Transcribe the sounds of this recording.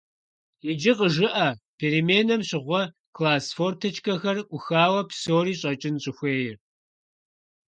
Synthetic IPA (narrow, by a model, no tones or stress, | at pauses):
jɪd͡ʒɪqəʒɨʔɐpʰeːɾimeːnɐmɕɪʁʷɔ | kʰlaːsfortʰɐt͡ʃkʰɐxɐrʔʷʊxaːwɐpsoːɾiːɕʼɐt͡ʃʼɪnɕʼɪxʷeːjɪr